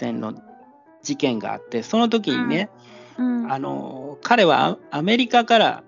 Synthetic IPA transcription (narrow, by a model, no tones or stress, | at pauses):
ẽ̞nːo̞̰ | d͡ʑikẽ̞ŋɡa̰a̰t̪ːe̞so̞no̞t̪̬o̞k̬ʲiɲ̟ḭne̞ | ano̞̰kʰaɾe̞βa̰ame̞ɾʲikakaɾa̰